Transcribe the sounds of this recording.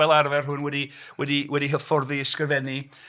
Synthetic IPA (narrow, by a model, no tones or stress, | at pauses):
ɛlˠarvɛrhɦʊnwɛdi | wɛdiwɛdiɦəfɔrðiɪskəvɛni